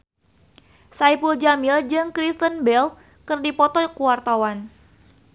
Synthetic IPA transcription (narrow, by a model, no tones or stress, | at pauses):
saipuld͡ʒamild͡ʒɨŋkɾist̪ənbɛl | kɨrdipɔt̪ɔkuwart̪awan